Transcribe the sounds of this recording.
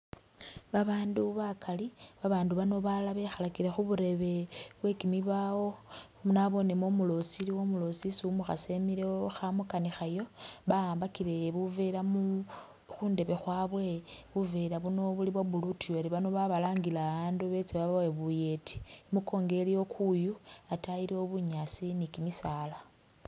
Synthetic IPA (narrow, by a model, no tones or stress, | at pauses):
βaβaːnduβakʰaliβaβaːnduβano̞βalaβe̞xalakilexuβuɾe̞βe̞βwe̞kimiβawo̞ | naβo̞nemomulo̞siliwo̞mulo̞sisimuxa̰se̞miɾeoxamukanixajo̞βaaːmbakileβuvelamu | xuːnde̞βe̞xwaːβwe̞βuvelaβuno̞βuliβwaβulutijoɾiβano̞βaβalaːŋɡilaβaːnduβe̞t͡seβaβaweβuje̞ti̥muko̞ːŋɡe̞lijo̞kujuataiɾio̞βuɲasinikimisala